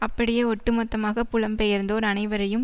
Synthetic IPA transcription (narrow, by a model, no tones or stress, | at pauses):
ɐpːɐɽɪjeːɔʈːɯmɔt̪ːɐmaːɣɐpʊɭɐmpejɐɾnd̪oːɾɐnɐɪʋɐɾɐjɯm